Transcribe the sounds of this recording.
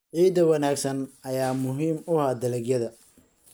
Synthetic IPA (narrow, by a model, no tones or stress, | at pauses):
ʕiːd̪ɐwɐnaːɡsɐnɐjaːmʊɦiːmʊhaːd̪ɐlɛɡjɐðɐ